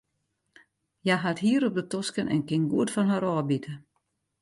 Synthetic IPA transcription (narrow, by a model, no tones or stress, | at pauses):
jaɦathiəɾop̚dətɔskənʔɛ̰nkɪnɡuətfɔnɦaɾɔːbitʰə